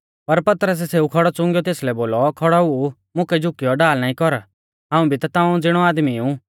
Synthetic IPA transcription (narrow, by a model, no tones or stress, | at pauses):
pɐɾpɐt̪ɾəs̬ɛseːukʰɔɽɔt͡sʊ̃ŋɡjɔt̪eːslɛboːlɔkʰɔɽaɦu | mʊ̃kɛd͡ʒʱʊkːɪjɔɖaːlnaːĩkɔɾ | ɦãːũbʱit̪at̪ãːũd͡zɪɽ̃ɔaːd̪miũ